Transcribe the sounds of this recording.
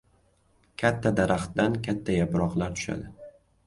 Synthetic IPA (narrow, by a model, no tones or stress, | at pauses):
kʲʰat̪ʰːad̪aɾaχt̪d̪ankʲʰat̪ʰːajapɾɒqlaɾt̪ʰʊ̥ʃa̰d̪ɪ